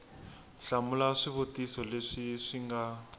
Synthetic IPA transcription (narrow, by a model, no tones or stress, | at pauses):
ɬamulaʂiβutisɔleʂiʂiŋɡa